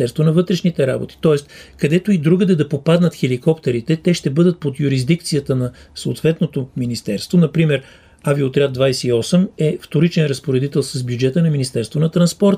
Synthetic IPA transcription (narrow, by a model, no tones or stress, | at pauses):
ɛɾst̪vonɐvɤt̪ɾɛʃnit̪ɛɾa̰bo̰t̪i̥t̪ɔɛst̪kɐd̪ɛt̪oid̪ɾuɡəd̪ɛd̪ɐpopad̪nət̪xɛlikɔpt̪ɛɾit̪ɛt̪ɛʃt̪ɛbɤd̪ət̪̚pot̪jʊɾizd̪ik̚t̪sijət̪ənɐsoo̰t̪vɛt̪not̪ominist̪ɛɾst̪vonɐpɾimɛɾ | aviot̪ɾʲjad̪vajsɛiɔsɛmɛft̪oɾit͡ʃɛnɾɐspoɾɛd̪it̪ɛlˠsɐzbjud͡ʒɛt̪ənɐminist̪ɛɾst̪vonɐt̪ɾɐnspɔɾt̪